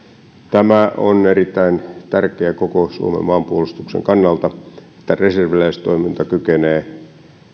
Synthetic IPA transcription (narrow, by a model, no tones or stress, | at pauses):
t̪æmæʔoneɾit̪ːæint̪ærkeækokosuomḛmːɑːmpuolust̪uksḛŋkɑnːɑlt̪ɑe̥t̪ːæreserʋilæist̪oimint̪ɑkykeneː